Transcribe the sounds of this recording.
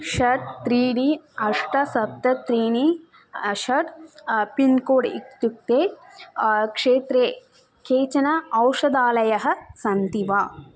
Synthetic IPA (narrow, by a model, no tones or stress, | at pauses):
ʃɐʈ̚t̪ɾiːɽiɐʂʈɐsɐp̚t̪ɐt̪ɾiːni | ʃɐʈpinkoːɽḭk̚t̪uk̚t̪eː | kʂeːt̪ɾeː | kʰeːt͡ʃɐnɐɐwʂɐd̪aːlɐjɐɦɐ̆sɐnt̪iʋaː